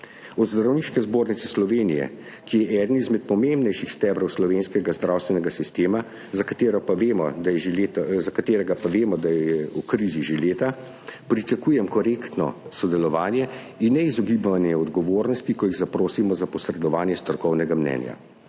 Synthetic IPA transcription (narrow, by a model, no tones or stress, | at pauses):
ɔd̪zd̪ɾawniːʃkɛzboːɾnit̪sɛslɔʋeːnijɛ̰ | kijɛʔɛːd̪nizmɛt̪̚pɔmembnɛjʃixst̪ɛːbɾɔwslɔʋenskɛɡazd̪ɾawst̪ʋɛnɛɡasist̪eːma | zakat̪eːɾɔpaʋemɔɛzakat̪eːɾɛɡapaʋeːmɔd̪ajɛjɛukɾiziʒeleːt̪a | pɾit͡ʃakuːjɛmkɔɾeːkt̪nɔ̰sɔd̪ɛlɔʋaːnjɛ | inːɛizɔɡiːbʋanjɛɔd̪ɡɔʋoːɾnɔst̪ikɔjiɣzapɾoːsimɔzapɔsɾɛd̪ɔʋaːnjɛst̪ɾɔɾkɔwnɛɡamnɛ̰nja̰